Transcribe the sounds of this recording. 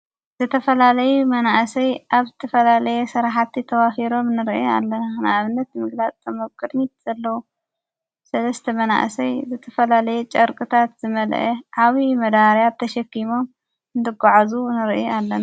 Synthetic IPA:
z̥ɨt̪ʰɐfɐlalɐjumɐnaʔsɐjʔaβzɨt̪ʰɐfɐlalɐjɛsɨɾaħat̪ʰːit̪ʰɐβafiɾo̞mnɨɾʔa̰lːɐnanɨaβɨnːɐt̪mɨɡlat͡sʼt̪ʰʼɐmɐβkʼɨd̪ɲit̪̚z̥ɐlːɐwu | sɐlɐst̪ʰɐmɐna̰ʔsɐjzɨt̪ʰɐfɐlalɐjɛt͡ʃʼɐɾkʼɨt̪ʰat̪zɨmɐl̰ʔeʕaβimɐd̪aɾjat̪ʰɐʃɐkːimo̞m | nd̪ɨɡaʕazunɨɾʔjalːɐna

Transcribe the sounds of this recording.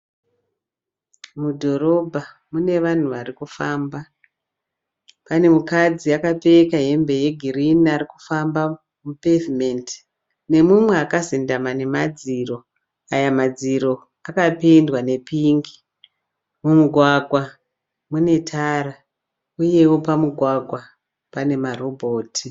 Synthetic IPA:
mudʱo̞ɾo̞bʱa | mune̞ʋan̤uʋarikufaːmba | pane̞mukad͡ziakapekaɦe̞mbe̞je̞ɡʱiriniariku̥famba | mupevimenti̥ | ne̞mumwe̞akazindamane̞mad͡ziro̞ | ajamad͡ziɾo̞ | akapindwane̞piːŋɡi | mumuɡʱwaɡʱwa | mune̞tʰaɾa | uje̞wo̞pamuɡʱwaɡʱwa | pane̞maro̞bʱoːtʰi

